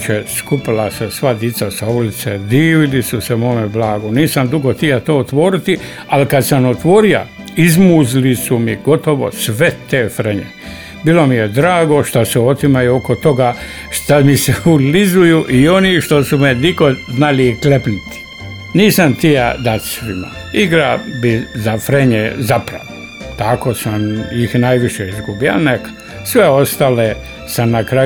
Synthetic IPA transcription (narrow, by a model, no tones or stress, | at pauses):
t͡ʃeskupilasesʋad̪it̪sasaulit̪sḛd̪iːʋilisusemomeblaːɡoniːsamd̪uɡot̪ijat̪oːot̪ʋoːɾit̪i | alikad̪samot̪ʋoːɾio̰ | izmuzilisumiɡ̥o̞t̪oʋo̰sʋet̪eːfɾeɲḛ | biːlo̞mijed̪ɾaːɡo̞ʃt̪aseo̞t̪imajuokot̪o̞ɡa | ʃt̪amiseulizujuʔio̞niʃt̪o̞sumeniko̞znaliklepnit̪i̥ | niːsamt̪ijad̪at̪sʋima̰ | iɡɾabizafɾeɲezapɾa̰ʋo | t̪ako̞ːsamjixnajʋiʃeizɡubia̰nekḁ | sʋeost̪aːle | samnakɾa